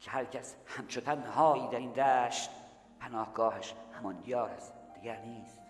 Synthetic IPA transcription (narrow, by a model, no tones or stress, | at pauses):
kʰehæɾcʰæshæmt͡ʃʰot̪ʰænhɒːiːd̪æiːnd̪æːʃt̪ | pʰænɒːhɡɒːheʃhæmɒnd̪ijɒːɾæsd̪̥iɡæɾniːs